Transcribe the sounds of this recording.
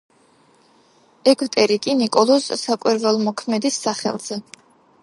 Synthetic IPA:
ɛɡʰwt̪ʼɛɾikʼinikʼɔlˠɔssakʼwiɾvɛlˠmɔkʰmɛd̪isːaχɛ̰lˠz̥ɛ

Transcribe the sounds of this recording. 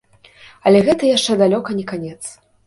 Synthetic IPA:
ɐlʲɛɣɛt̪ɐjaʂt͡ʂɛd̪alʲɔkɐnʲɛkanʲɛt̪s

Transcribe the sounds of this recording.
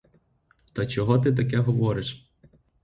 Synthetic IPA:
t̪ɐt͡ʃɔɦɔt̪̬ɪt̪̬ɐkɛɦɔʋɔɾɪʃ

